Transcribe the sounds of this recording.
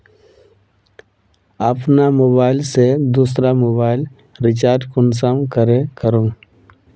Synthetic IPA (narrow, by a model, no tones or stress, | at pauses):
əpnamoːbaːɪlsed̪uːsɾamoːbaːɪl | ɾɪt͡ʃaːɾɖkʊns̬amkəɾekəɾõː